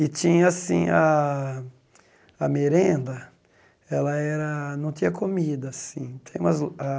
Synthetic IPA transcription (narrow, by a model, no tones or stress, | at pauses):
ɪt͡ʃ̪ĩɲɐasḭ̃a | ameɾẽnd̪ɐ | ɛlɐɛɾɐnɐ̃w̃t̪ĩɲɐkomid̪ɐsĩt̪ʰẽj̃ũmɐza